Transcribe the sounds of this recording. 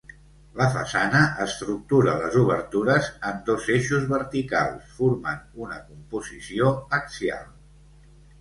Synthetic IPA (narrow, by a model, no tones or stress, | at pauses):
ləfə̰sanəʔəst̪ɾuk̚t̪uɾə̰ləzuβ̞əɾt̪uɾəzənd̪ozeʃuzβəɾt̪ika̰lˠsfuɾmənunəkumpuzisioəksja̰lˠ